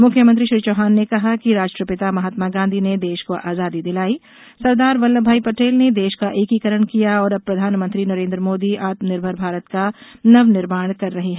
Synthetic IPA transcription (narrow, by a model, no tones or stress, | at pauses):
mʊkʰjəmə̃ɐ̃nt̪ɾiʃɾiːt͡ʃoːɦaːnːekɐɦakiɾaːd͡ʒʈɾəpɪt̪amɐɦaːt̪maɡãːnd̪ʱined̪eːʃkoʔaːzaːd̪id̪ɪlaːi | sɐɾd̪aːɾʋɐlːəbʱaːipɐʈeːlned̪eːʃkaʔeːkikəɾəɽ̃kijaɔːɾɐb̚pːɾɐd̪ʱaːnmə̃nt̪ɾinɐɾẽːnd̪ɾəmoːd̪iʔaːt̪mənɪɾbʱəɾbʱaːɾət̪kanɐʋnɪɾmaːɽ̃kɐɾːɐɦiɦɛː